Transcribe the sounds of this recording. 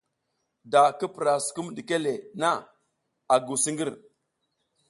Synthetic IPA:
da˨kə˦pɾa˨su̥˨ku˦mdi˨ke˦le˨na˦˨ | a˨ɡu˨si˦ŋɡi˦ɾ

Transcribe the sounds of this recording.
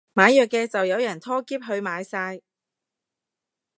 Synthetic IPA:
maː˨˧jœː˨kːɛː˧t͡sɐ˨wjɐ˨˧wjɐ˨˩nt̪ʰɔː˥kiː˥p̚ɦɵ˧ɥmaː˨˧jsaː˧j

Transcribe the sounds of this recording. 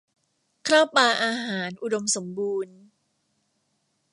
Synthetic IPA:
kʰɾaː˥˩wpaː˧ʔaː˧ɦaː˩˦nʔu˧do˧mso˩˦mbuː˧n

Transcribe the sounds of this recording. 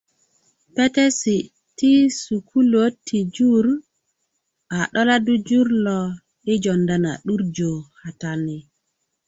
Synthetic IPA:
pe˦te˦si˨ | ti˦su˨kʰu˦lo˦tʰi˨d͡ʒu˦ɾ | a˨ɗɔ˦la˦du˦d͡ʒu˦ɾlɔ˨ | ɗi˦d͡ʒo˨nda˨na̰˨ɗu˦ɾd͡ʒo˨ha˨ta˨ni˨

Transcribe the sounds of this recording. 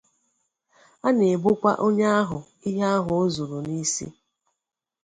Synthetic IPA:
a˦ne˨bʊ˦kʷa˦ʔo˦ɲa˦a˦ɦʊ˨ | i˦ɦa˦ɦʊ˨˦zu˨ɾu˨ni˦sḭ˦

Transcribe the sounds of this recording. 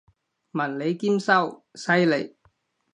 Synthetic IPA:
mɐ˨˩nle˨˧jkiː˥msɐ˥wsɐ˥jle˨˩j

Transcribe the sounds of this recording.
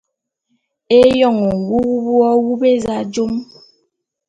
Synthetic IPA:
e˦jɔ˦˨ŋɔ˨wu˦wu˦bwɔ˦wu˦be˦za˦d͡ʒo˦m

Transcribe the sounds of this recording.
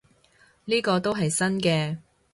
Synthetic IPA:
liː˥kɔː˧t̪o˥wɦɐ˨jsɐ˥nkɛː˧

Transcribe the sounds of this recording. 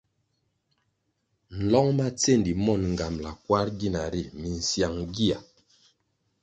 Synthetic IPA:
n̩˨lɔ˦ŋma˦t͡se˦˨ndi˨mɔ˦˨nŋ̩˨ɡa˨mla˨kwa˦ɾɡi˦na˨ɾi˦˨mi˨n̩˨sja˨ŋɡi˦a˨

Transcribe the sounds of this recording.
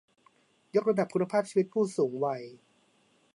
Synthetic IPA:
jo˦˥k̚ɾa˧da˨˩p̚kʰu˧nːa˧pʰaː˥˩p̚t͡ɕʰiː˧˦i˦˥t̪̚pʰuː˥˩suː˩˦ŋwa˧j

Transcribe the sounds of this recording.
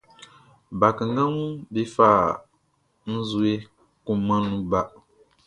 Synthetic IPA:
ba˨kɨ˨ŋ˦ɡa˦ŋu˦be˦faː˦˨ | n̩˦zu˦e˦ | ku˦ma˦nːu˦ba˨

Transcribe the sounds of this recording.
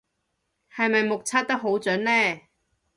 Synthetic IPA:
hɐ˨jmɐ˨jmʊ˨k̚t͡sʰaː˥t̚t̪ɐ˥k̚ɦo˨˥wt͡sɵː˨˥nlɛː˥˩

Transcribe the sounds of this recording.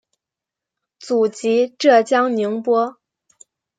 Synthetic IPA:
t͡su˨˩t͡ɕi˧˥ʈ͡ʂɤ˥˩t͡ɕjɑ˥ŋni˧˥ŋpwɔ˥

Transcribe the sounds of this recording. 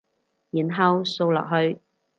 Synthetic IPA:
jiː˨˩nɦɐ˨˧wso˧wlɔ̰ː˨k̚ɦɵ˧ɥ

